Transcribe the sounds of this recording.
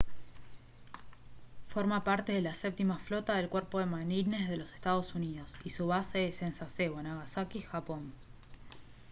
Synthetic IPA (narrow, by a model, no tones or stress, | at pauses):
fo̞ɾmapaɾt̪e̞ð̞elasep̚t̪imaflo̞t̪aðe̞lkweɾpo̞ðe̞manine̞zðelo̞se̞st̪að̞o̞suniðo̞sisuβaseesensaseβoenaɣasakixapo̞n